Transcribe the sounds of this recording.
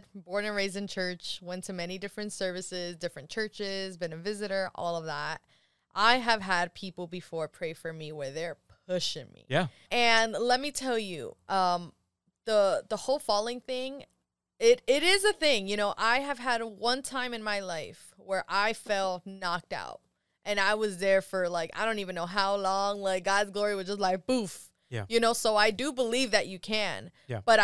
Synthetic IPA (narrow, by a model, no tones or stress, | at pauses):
bɔɹnɨ̃nɹeɪzɨ̃nt͡ʃʰɜ˞t͡ʃwɛ̃ntʰɨmɛñidɪfɹɨ̃ntsɜ˞vɨsɪzdɪfɹɨ̃nt͡ʃʰɜ˞t͡ʃɪzbɨ̃nɨvɪzɨɾə˞ʔɔ̰lˠʌvðæt̚ | ʔaɪɨv̥əd̚pʰipl̩ˠbɨfɔɹpʰɹ̥eɪfə˞miwə˞ðə˞pʰʊʃɪ̃ŋmḭjæ | ɨ̃nlɛt̚mitʰɛlˠjʉ̰ʔʌ̃m | ðəðəhoʊlˠfɑlˠɪ̃ŋθɪ̃ŋ | ɪɾɪɾɪzɨθɪ̃ŋjɨñoʊʔaɪɨv̥ɨɾwʌ̃ntʰãɪ̃mɨ̃nmaɪlaɪf | wə˞ʔaɪfɛlˠtnɑk̚ta̰ʊt̚ | ʔɨ̃naɪwʌzðə˞fə˞laɪkaɪdõʊ̃ntivɨ̃nːoʊɦaʊlɔ̃ŋlaɪk̚ɡ̥ɑdzɡlɔɹiwʌzd͡ʒʌstˡlaɪk̚b̥uf | æ̰jɨnoʊsoʊaɪdɨbəlivðɨt͡ʃɨkʰɨ̃n | b̥ʌɾ